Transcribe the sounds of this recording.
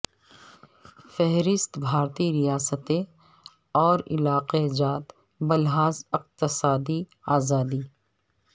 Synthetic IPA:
fɛɦɾɪst̪bʱaːɾt̪iɾɪjaːsət̪e | ɔːɾɪ̰laːqed͡ʒaːt̪ | bɐlɦaːzɪq̚t̪ɪsaːd̪iaːzaːd̪iː

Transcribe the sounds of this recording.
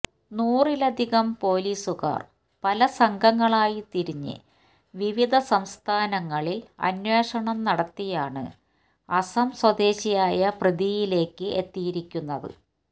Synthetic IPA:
nuːrilɐd̪ʱiɣɐmpo̞ːliːsuɣa̰ːr | pɐlɐsɐŋɡʱɐŋːɐɭaːjit̪iɾiɲːɨ̰ | ʋiʋid̪ʱɐsɐmst̪ʰaːnɐŋːɐɭilɐ̰nweːʂɐɳɐmnɐɽɐt̪ːijaːɳɨ̰ | ɐsɐmswɐd̪e̞ːɕijaːjɐprɨd̪ijile̞ːkːɨʔḛt̪ːijiɾikʲːunːɐðɨ̰

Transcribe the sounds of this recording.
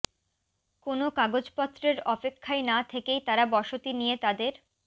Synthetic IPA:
konokaɡod͡ʑpɔt̪ːɾeɾɔpekʰːajnat̪ʰekejt̪aɾabɔʃot̪inijet̪ad̪eɾ

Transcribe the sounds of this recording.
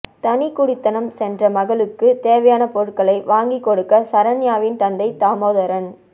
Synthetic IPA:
t̪ɐnikʊɽɪt̪ːɐnɐmsɛndrɐmɐɣɐɭɯkːɯt̪eːʋɐjaːnɐpɔɻɯkːɐɭɐɪʋaːŋɡikːɔɽɯkːɐsɐɾɐnjaːʋɪnt̪ɐnd̪ɐɪt̪aːmoːðɐɾɐn

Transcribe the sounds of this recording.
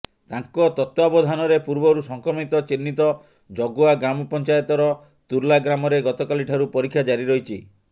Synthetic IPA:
t̪aŋkɔt̪ɔt̪wabɔd̪ʱanɔɾepuɾbɔɾusɔŋkɔmit̪ɔt͡ʃinːit̪ɔ | d͡ʒɔɡoaɡɾamɔpɔnt͡ʃajɔt̪ɔɾɔ | t̪uɾlaɡɾamɔɾeɡɔt̪ɔkaliʈʰaɾupɔɾikʰːjad͡ʒaɾiɾɔɦit͡ʃʰi

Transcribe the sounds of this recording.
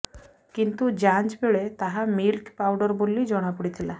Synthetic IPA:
kint̪ud͡ʒant͡ʃbeɭet̪aɦamilkpawɖɔɾbolid͡ʒɔɽ̃apuɽit̪ʰila

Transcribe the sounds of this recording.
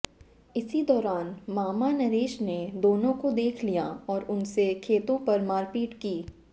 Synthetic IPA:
ɪsid̪ɔːɾaːnmaːmanɐɾeːʃned̪oːnõkod̪eːkʰlijaɔːɾʊnsekʰeːt̪õpɐɾmaːɾpiːʈkiː

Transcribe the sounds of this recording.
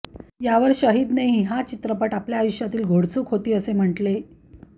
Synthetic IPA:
jaʋəɾɕəɦiːd̪neɦiɦat͡ɕit̪ɾəpəʈapljaːjuɕjat̪iːlɡʱoɽt͡sukʰot̪iːəsem̤əʈle

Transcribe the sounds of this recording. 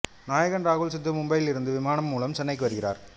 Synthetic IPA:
naːjɐɣɐnɾaːɣʊɭsɐt̪ːɯmʊmbɐjɪlɪɾɯnd̪ɯʋɪmaːnɐmːuːlɐmt͡ʃɛnːɐɪkːɯʋɐɾɯɣɪra̰ːɾ

